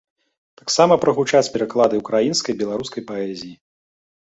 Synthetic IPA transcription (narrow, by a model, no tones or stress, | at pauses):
t̪aksamɐpɾɐɣut͡ʂat͡sʲpʲɛɾaklˠad̪ɨukɾajinskɐjbʲɛlˠaɾuskɐjpaɛzʲiji